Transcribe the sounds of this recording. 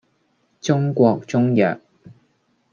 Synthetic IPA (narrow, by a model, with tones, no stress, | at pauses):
t͡sʊ˥ŋkʷɔː˧k̚t͡sʊ˥ŋjœː˨˩k̚